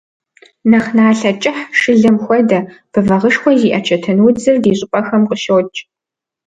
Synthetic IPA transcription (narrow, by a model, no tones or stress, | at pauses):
nɐχnaːɬɐt͡ʃʼɪħʂɨɮɐmxʷɔdɐb̥ɨvɐʁəʂxʷɔziːʔɐt͡ʃʰɐtʰɐnwʊd͡zɨrdiːɕʼʊpʼɐxɐmqʼəʃoːt͡ʃʼ